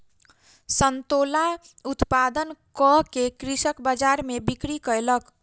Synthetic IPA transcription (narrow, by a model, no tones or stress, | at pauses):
sənt̪ola | ut̪pad̪ənkɔkekɾisəkbad͡ʒaɾmebikɾikəelək